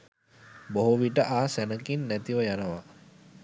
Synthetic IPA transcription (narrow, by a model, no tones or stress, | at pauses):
boɦuʋiʈəʔaːsænəkinːæt̪iʋəjanəʋa